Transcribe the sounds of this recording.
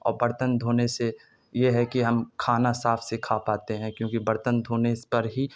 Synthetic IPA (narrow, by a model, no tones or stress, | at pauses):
ɔ̰ːɾbɐɾt̪ənd̪ʱoːnese | jeɦɛkiɦɐmkʰaːnasaːpʰsekʰapaːt̪eɦɛ̃kjõːkibɐɾt̪ənd̪ʱoːnepɐɾɦi